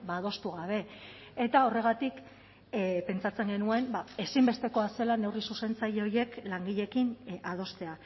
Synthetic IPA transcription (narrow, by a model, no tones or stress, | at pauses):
bað̞o̞st̪uɣ̞aβ̞e̞ | et̪ao̞re̞ɣ̞at̪ik | pe̞nt͡sat͡se̞ŋɡe̞nue̞mbae̞simbe̞st̪eko̞ase̞lane̞wrisuse̞nt͡sajeo̞je̞klaŋɡiʎe̞kinað̞o̞st̪e̞a